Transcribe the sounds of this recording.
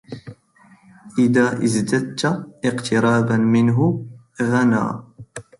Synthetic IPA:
ʔɪðaːʔɪzd̪ad̪t̪ʔɪqt̪ʰɪɾˤɑːbanmɪnɦʊ | ɣana̰ː

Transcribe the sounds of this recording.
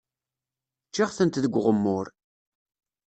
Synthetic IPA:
t͡ʃːiʁθənt̪ðəɡʷʁəmːʊɾ

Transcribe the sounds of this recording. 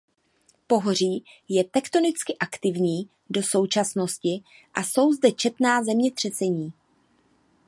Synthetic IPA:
po̞ɦor̝iː | jɛt̪ɛkt̪o̞nɪt͡skɪʔakt̪ɪvɲiː | do̞so̞wt͡ʃasno̞scɪ | ʔaso̞wzdɛt͡ʃɛt̪naːzɛmɲɛt̪r̝̥ɛt͡sɛɲiː

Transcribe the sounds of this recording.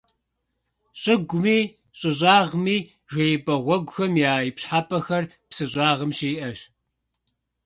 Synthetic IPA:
ɕʼɪɡʷʊmiː | ɕʼɪɕ̬ʼaːʁmiː | ʒʷɐjɪpʼɐʁʷɔɡʷʊxɐmjaːipɕħaːpʰʼɐxɐr | psɨɕʼɑːʁəmʃeːʔɐɕ

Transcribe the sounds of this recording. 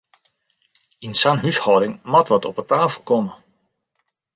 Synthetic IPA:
insanɦyshɔwdɪŋmɔtʋɔtɔpətaːfəl̩ˠkɔmə

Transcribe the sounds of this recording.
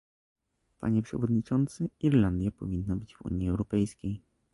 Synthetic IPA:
pa̰ɲɛpʂɛ̰vɔd̪ɲit͡ʂɔnt̪sɘiɾland̪ʲjapɔ̰vʲinːabɘd͡ʑvṵɲiɛwɾɔpɛjskʲej

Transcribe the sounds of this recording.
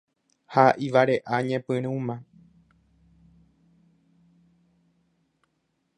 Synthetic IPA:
haʔiʋaɾe̞ʔaɲẽpɨ̃ɾ̃ũmã

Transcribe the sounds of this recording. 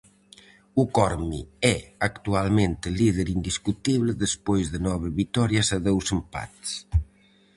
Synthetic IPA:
ukɔɾmḭɛakt̪ualmẽnt̪ɪliðeɾind̪iskut̪iβlɪðespojzðɪnɔβeβit̪ɔɾjasaðɛwsempa̰t̪s

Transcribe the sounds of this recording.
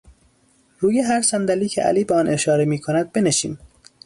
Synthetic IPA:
ɾuːje̞ɦæɾsænd̪æliːcʰeʔæ̰liːbeɒːnʔe̞ʃɒːɾemiːkʰonæd̪̚be̞neʃḭːm

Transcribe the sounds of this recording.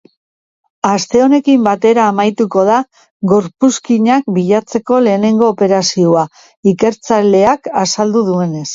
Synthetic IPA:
ast̪e̞o̞ne̞kimbat̪e̞ɾaːmajt̪uko̞ða | ɣo̞ɾpuskiɲak̚biʎat͡se̞ko̞le̞ːne̞ŋɡo̞ːpe̞ɾasioa | ike̞ɾt͡sale̞akasald̪uðue̞ne̞s

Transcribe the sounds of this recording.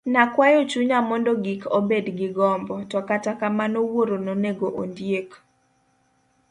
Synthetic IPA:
nakwajot͡ʃuɲamɔndɔɡikʰobedɡɪɡɔmbɔtɔkatakamanowoɾononeɡoʔondjek

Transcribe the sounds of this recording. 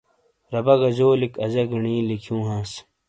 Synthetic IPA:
ɾɐbɐɡɐd͡ʑoːlikɐzɐɡiɳĩːlikʰjũːɦãːs

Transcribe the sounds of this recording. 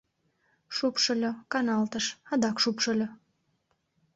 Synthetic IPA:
ʃupʃəlʲokɑnɑlt̪əʃɑd̪ɑkʃupʃə̆lʲo

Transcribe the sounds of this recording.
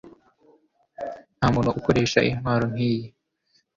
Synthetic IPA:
n̥hamunoʔukoɾe̞ːʃa̰ʔimhwaːɾon̥hiːje

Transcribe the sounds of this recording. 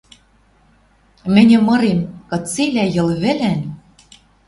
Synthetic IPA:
mɘ̆nʲɘ̆mɤ̆ɾemkɤ̆t͡silʲæjɤ̆lβɘ̆læn

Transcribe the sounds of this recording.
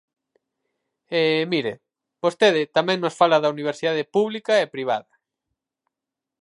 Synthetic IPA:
emiɾḛ | b̥ost̪eðɪt̪amɛ̃ŋnosfalɐðɐuniβ̞eɾsiðað̞epuβlikɐepɾiβ̞a̰ðɐ

